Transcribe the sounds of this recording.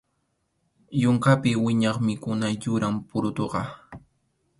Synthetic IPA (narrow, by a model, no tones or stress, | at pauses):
joŋkapɪwɪɲɑχmɪkʊnaʎʊɾampʊɾʊt̪oɢɑ